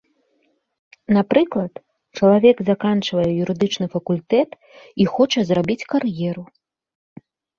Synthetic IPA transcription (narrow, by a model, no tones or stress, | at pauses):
napɾɨklˠɐt̪ | t͡ʂɐlˠavʲɛɡzakant͡ʂvɐjɛjuɾɨd̪ɨt͡ʂnɨfɐkulʲt̪ɛt̪ | ixɔt͡ʂɐzrabʲit͡sʲkarjɛɾu